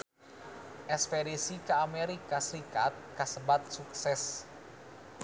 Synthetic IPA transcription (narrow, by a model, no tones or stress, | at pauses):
ʔɛspɛɾisikaːmɛɾikasəɾikat̪̚kasəbat̪̚suksɛs